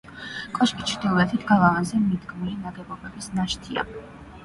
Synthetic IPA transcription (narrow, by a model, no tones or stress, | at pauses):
kʼɔʃkʼit͡ʃʰɾd̪ilˠɔɛt̪ʰit̪ʰɡalˠavanzɛmid̪ɡmulinaɡɛbɔbɛbisnaʃt̪ʰia̰